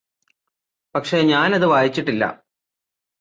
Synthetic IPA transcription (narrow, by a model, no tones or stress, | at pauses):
pɐkʂe̞ɲaːnɐðɨʋaːjit͡ɕːiʈːilːɐ̰